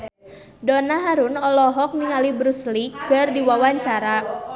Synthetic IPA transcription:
dɔnaɦaɾunɔlɔɦɔk̚niŋalibɾusliɡ̥ə̤rdiwawaɲt͡ʃaɾa

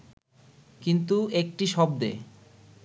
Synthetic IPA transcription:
kint̪uek̚ʈiʃɔb̚d̪ḛ

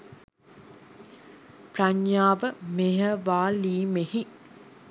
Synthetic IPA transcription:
praɲjaːʋəmeɦəʋaːliːmehi

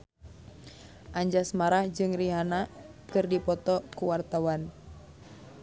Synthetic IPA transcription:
ʔaɲd͡ʒasmaɾahd͡ʒɨŋriɦanakɨrdipɔt̪ɔkuwart̪awan

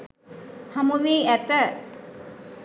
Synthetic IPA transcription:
hɐmuʋiːæt̪ə

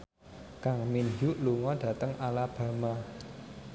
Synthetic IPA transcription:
kaŋminjuʔluŋɔɖ̥ä̤t̪əŋʔalab̥ä̤ma

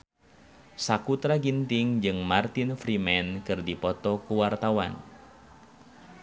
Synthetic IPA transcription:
sakut̪ɾaɡint̪ɪŋd͡ʒɨŋmart̪infɾimɛnkɨrdipɔt̪ɔkuwart̪awa̰n

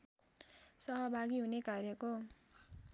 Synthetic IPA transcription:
sʌɦʌbʱaɡiɦunekarjʌko

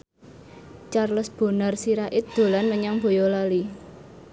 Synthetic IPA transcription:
t͡ʃarləsb̥o̤narsiɾaʔɪt̪̚d̪̥o̤lanməɲaŋb̥o̤jɔlali

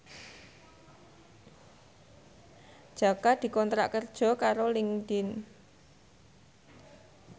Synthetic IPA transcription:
d̥ʒ̥a̤kad̪̥i̤kɔnt̪ɾa̰ʔkərd̥ʒ̥ɔ̤kaɾolɪŋd̪̥in

